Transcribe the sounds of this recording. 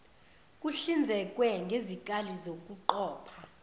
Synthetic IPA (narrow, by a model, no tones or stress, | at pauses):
kʼuɬind͡zʱɛkʼwɛŋɡʱezik̬ʼalizokʼuǃɔːpʰa